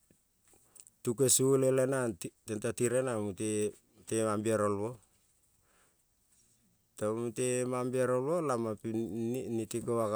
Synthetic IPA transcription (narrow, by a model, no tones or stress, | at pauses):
tukesulelenatentatiɾenamute | temambiaɾolβo | tomutemambiaɾolβolamapinitikoaka